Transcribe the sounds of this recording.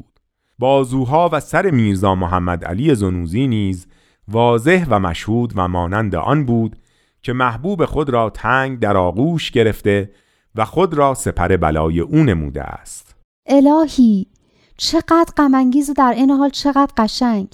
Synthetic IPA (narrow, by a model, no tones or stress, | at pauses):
d̪̥ | bɒːzuːɦɒːvæsæɾe̞miːɾzɒːmoɦæmːæd̪æ̰liːje̞zonuːziːniːz | vɒːze̞hvæmæ̰ʃhuːd̪væmɒːnænd̪ḛʔɒ̰nbuːd̪̥ | cʰe̞mæhbuːbe̞xo̞d̪ɾɒːt̪ʰæːŋɡd̪æɾɒːɣuːʃɟe̞ɾe̞ft̪e̞ | væxo̞d̪ɾɒːse̞pʰæɾe̞bæ̰lɒːje̞ʔuːne̞mṵːd̪ḛʔæ̰st̪ | ʔe̞lɒːhiː | t͡ʃʰe̞ɢæːd̪ɢæmæŋɟiːzid̪æɾʔejneɦɒːlt͡ʃʰe̞ɣæːd̪qɢæʃæŋɡ